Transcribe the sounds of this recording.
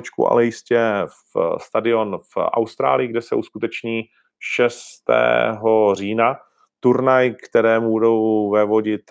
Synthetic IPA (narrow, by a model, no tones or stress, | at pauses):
t͡ʃkṵʔa̰lɛjɪscɛfst̪adɪo̞nfʔa̰wst̪ɾa̰ːlɪjɪɡdɛsɛ̰ʔuskut̪ɛt͡ʃɲiː | ʃɛst̪ɛ̰ːɦo̞r̝iːna | t̪uɾnajkt̪ɛɾɛːmubudowvɛvoɟɪt̪